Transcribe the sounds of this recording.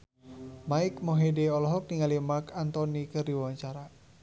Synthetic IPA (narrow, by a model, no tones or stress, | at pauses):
maikmɔɦedɛɔlɔɦɔk̚niŋalimakant̪ɔnikɨrdiwawaɲt͡ʃaɾa